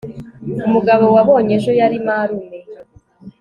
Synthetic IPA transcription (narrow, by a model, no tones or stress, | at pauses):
umuɡaβo̞waβo̞ːɲe̞ʒo̞jaɾimaɾune